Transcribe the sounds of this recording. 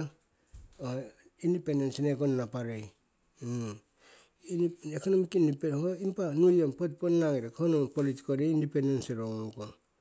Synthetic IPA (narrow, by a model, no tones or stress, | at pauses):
o | indipe̞ndensinekonnapaɾej | ekonomikindipeoimpanujompot̚ponnaŋiɾekonopoliti̥koɾeindipendenseɾoŋoŋko